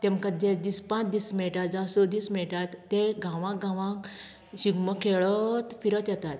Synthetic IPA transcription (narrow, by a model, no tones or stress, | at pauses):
t̪ẽmkad͡ʑẽd͡ʑispãt͡sd̪ismɛɭʈat̪d͡zãsɔd̪ismɛɭʈat̪ːeɡʱãʋãkɡãʋãk | ɕiɡməkʰeɭət̪fiɾət̪jɛt̪at̪